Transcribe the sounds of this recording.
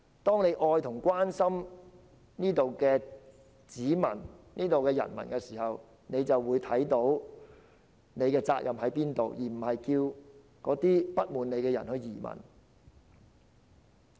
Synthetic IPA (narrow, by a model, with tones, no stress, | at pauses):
t̪ɔː˥ŋne˨˧jʔɔː˧jt̪ʰʊ˨˩ŋkʷwaː˥nsɐ˥m | niː˥t̪o˨wkɛː˧ | t͡siː˨˥mɐ̰˨˩nniː˥t̪o˨wkɛː˧jɐ̰˨˩nmɐ̰˨˩nkɛ˧siː˨˩hɐ˨w | ne˨˧jt͡sɐ˨wːuː˨˧jt̪ʰɐ˨˥jt̪o˨˥w | ne˨˧jkɛː˧t͡sa̰ː˧k̚jɐ˨mhɦɐ˨˥jpiː˥nt̪o˨wjiː˨˩m̩˨˩hɐ˨jkiː˧w | kɔː˨˥t̪iː˥pɐ˥t̚muː˨˧nne˨˧jkɛː˧jɐ̰˨˩nhɵ˧ɥjiː˨˩mɐ̰˨˩n